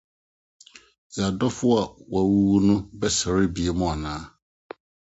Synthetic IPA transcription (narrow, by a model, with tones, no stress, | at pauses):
ja˨dɔ˦fʊ˦a˨wa˨wu˦wu˦nʊ̃˦bɛ˦sa˨ɾɪ˦bi˨e˦mʊ̃˦a˨nãː˨˦